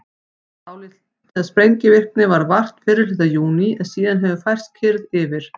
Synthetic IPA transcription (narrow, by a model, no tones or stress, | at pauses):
aːwlɪ | t̪aspɾejɲcɪvɪr̥knɪvaɾvar̥t̪fɪːɾɪɾlɪt̪ːajuːniɛðsiːðanɦɛvʏkfajr̥st̪̚kʰɪɾðɪvɪɾ̥